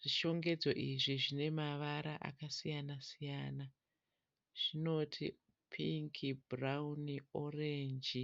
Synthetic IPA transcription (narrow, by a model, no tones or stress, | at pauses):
ʐ̥iʃo̞ŋɡe̞d͡zo̞ʔiʐiʐine̞maʋaɾaʔa̰kasijanasijana | ʐ̥ino̞tʰḭ | pʰiŋkʰibraunioreɲd͡ʒi